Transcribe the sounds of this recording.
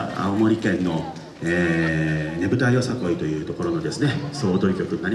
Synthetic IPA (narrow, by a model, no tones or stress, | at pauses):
a̰omo̞ɾʲikẽ̞nːo̞ | eː | ne̞bɯ̟t̪aijo̞sako̞it̪o̞jɯ̟ːt̪o̞ko̞ɾo̞no̞d̪e̞sɨne̞so̞ːt̪o̞ɾikʲo̞kɯ̟ɲʲinaɾʲi